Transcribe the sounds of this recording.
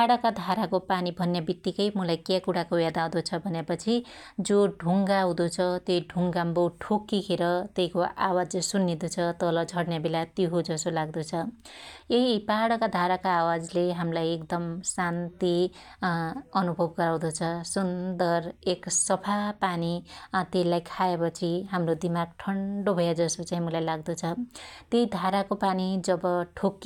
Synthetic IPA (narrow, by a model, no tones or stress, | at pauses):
paɽʌkad̪ʱaɾakopanibʱʌnjabit̪ːikʌjmʌlajkakuɽakowjad̪aw̃d̪ot͡sʰʌbʱʌnepʌt͡sʰi | d͡zoɖʱuŋɡaw̃d̪ot͡sʰʌt̪jojɖʱuŋɡambowʈʰokːikʰeɾʌt̪ejkoawad͡zsunːed̪ut͡sʰʌt̪ʌlʌd͡zʱʌɽnjabelat̪iɦod͡zʌsolaɡd̪ot͡sʰʌ | eɦipaɽʌkad̪ʱaɾakaːwad͡zleɦamlajekd̪ʌmsant̪i | ʌnubʱʌbɡʌɾaw̃d̪ʌt͡sʰʌsund̪ʌreksʌpʰapanit̪eilajkʰaepʌt͡sʰiɦamrod̪imaɡʈʰʌɳɖobʱʌjad͡zʌsot͡saɦĩmʌlajlaɡd̪ut͡sʰʌt̪jeid̪ʱaɾakopanid͡zʌbʌʈʰokː